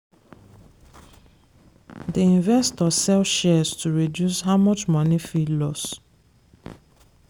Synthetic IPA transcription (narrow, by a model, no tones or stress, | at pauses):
diĩnvɛstɔsɛlʃɛstʰuɹidjusɦaʊmɔt͡ʃmɔnifilɔs